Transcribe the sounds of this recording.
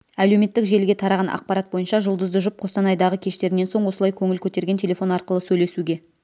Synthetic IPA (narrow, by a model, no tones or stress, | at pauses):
ælewme̞t̪ːɪkʒe̞lɡʲe̞t̪ʰɑɾɑʁɑnʔɑ̰q̚pɑɾɑt̪̚bo̞jənʃɑʒʊlˠd̪əzd̪əʒʊp̚qʰo̞st̪ɑnɑjd̪ɑʁəkʲʰe̞ʃt̪e̞ɾɪneso̞ɴwo̞səlˠɑjkʲʰɵŋɪlkʲʰɵt̪e̞ɾɡʲe̞ntʰʲelʲe̞fo̞nɑɾqəlˠəsɵjle̞suɡʲe̞